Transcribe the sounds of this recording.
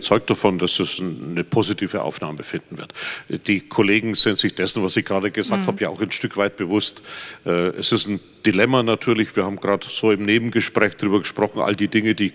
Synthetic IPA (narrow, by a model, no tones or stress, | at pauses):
t͡sɔʏk̚t̚d̥afɔnd̥asɛsnəpʰoːzitʰiːvəʔa̰ʊfnaːməfɪndn̩vɪɐtd̥iːkʰoleːɡŋ̩z̥ɪntz̥ɪçd̥ɛsn̩vasɪçɡ̥ʁaːdəɡəzaːktʰhaːbəjaːa̰ʊxanʃtʏkv̥aɪt̚b̥əvʊstʔɛːʔɛsɪstn̩ | d̥ilɛmanatʰyːɐlɪçv̥iːɐhaːbm̩ɡʁaːtz̥oːɪmneːbm̩ɡəʃpʁ̥ɛːçd̥ʁyːbɐɡəʃpʁ̥ɔχn̩ʔa̰ldiːdɪŋədiː